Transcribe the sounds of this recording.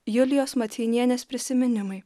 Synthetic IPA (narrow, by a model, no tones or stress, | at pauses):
jʊlʲɪjoːsmɐt̪ʲiːnʲiɛnʲeːspʲɾʲɪsʲɪmʲɪnʲɪmɐɪ